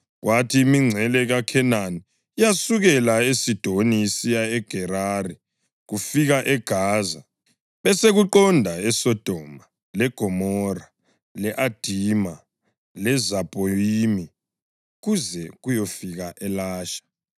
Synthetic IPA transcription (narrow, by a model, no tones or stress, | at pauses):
ɣwʔatʰiːmiŋ͡ǀʱɛlɛɣakʰɛnani | ijasuɣɛlaesid̥ʱonisijaɛɡ̥ʱɛɾari | ɣufiɣaʔɛɡ̥ʱaːza | βɛseɣuǃɔndʱaɛsɔd̥ʱɔma | lɛɡ̥ʱɔmɔra | lɛʔad̥ʱiːma | lɛzapʼoiːmi | ɣuzɛɣujɔfiɣaʔɛlaːʃḁ